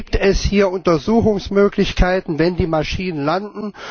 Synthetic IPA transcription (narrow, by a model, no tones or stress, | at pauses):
p̚tɛshiːɐʊntɐzuːxʊŋsmøːklɪçkʰaɪtn̩vɛndiːmaʃiːnənlandn̩